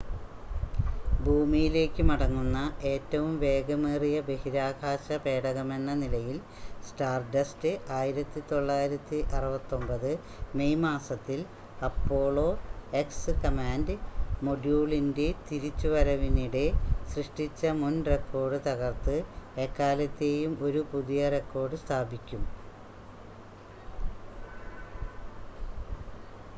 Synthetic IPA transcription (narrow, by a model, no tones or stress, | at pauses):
bʱuːmijile̞ːkːɨmɐɽɐŋːunːɐʔe̞ːtːɐʋumʋe̞ːɡɐmeːrijɐbe̞hiɾaːɡʰʱaːɕɐpe̞ːɽɐɣɐme̞nːɐnilɐjil | sʈaːrɖɐstɨʔaːjiɾɐt̪ːit̪o̞ɭːaːjiɾɐt̪ːiʔɐrɐbɐt̪ːo̞mbɐðɨ | me̞jmaːsɐt̪ːil | ɐpːo̞ːɭo̞ːe̞ksɨkɐmaːndɨmo̞ɖjuːɭinde̞t̪iɾit͡ɕːuʋɐɾɐʋiniɽe̞srɨʂʈit͡ɕːɐmunrekːo̞ːrɖɨt̪ɐɣɐrt̪ɨekːaːlɐt̪ːe̞jumo̞ɾupuðijɐre̞kːo̞ːrɖɨst̪ʰaːbikʲːum